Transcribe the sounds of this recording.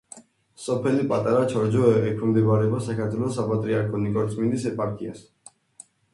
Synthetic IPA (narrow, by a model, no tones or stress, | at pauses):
sɔpʰɛlipʼat̪ʼaɾat͡ʃʰɔɾd͡ʒɔɛɛkʰmd̪ɛbaɾɛbasakʰaɾt̪ʰwɛlɔsapʼat̪ʼɾiaɾkʰɔnikʼɔɾt̪sʼmind̪isɛpʼaɾkʼias